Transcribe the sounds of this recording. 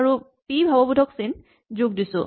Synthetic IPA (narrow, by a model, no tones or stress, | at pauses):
ɹu | pibʱabɔbudʱɔksin | zʊɡ̚disʊ̰̃